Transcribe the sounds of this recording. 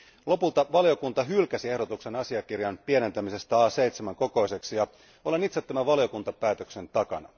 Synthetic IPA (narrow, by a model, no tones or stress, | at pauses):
lo̞pult̪ɑʋɑljo̞kunt̪ɑɦylkæsie̞hdo̞t̪ukse̞nɑsiɑkirjɑnpie̞ne̞nt̪æmise̞st̪æɑːse̞jt̪semæŋko̞ko̞ise̞ksijɑ | o̞lenit̪set̪ːæmæʋɑlijo̞kunt̪ɑpæːt̪økse̞nt̪ɑkɑnɑ̰